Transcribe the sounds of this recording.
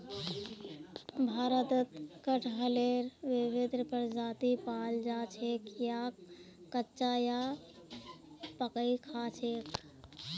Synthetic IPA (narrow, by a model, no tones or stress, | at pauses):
bʱaːɾət̪ət̪kəʈʰɦəleɾʋɪbed̪ɾpəɾd͡ʒat̪ipald͡ʒat͡ʃʰekjakː | ətːt͡ʃaja | pəkəikʰat͡ʃʰek